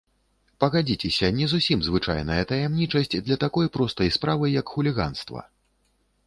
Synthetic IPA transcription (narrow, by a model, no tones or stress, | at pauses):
pɐɣad͡zʲit͡sʲɛsʲɐnʲɛzusʲimzvɨt͡ʂa̰jnɐjɐt̪ɐjɛmnʲit͡ʂɐsʲt͡sʲd̪lʲɐt̪akɔjpɾɔst̪ɐjspɾavɨjɐkxulʲiɣa̰nst̪vɐ̰